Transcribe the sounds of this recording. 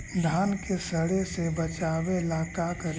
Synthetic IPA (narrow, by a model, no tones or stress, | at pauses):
d̪ʱaːnkesɐɽesebɐt͡ʃaːwelaːkakɐɾ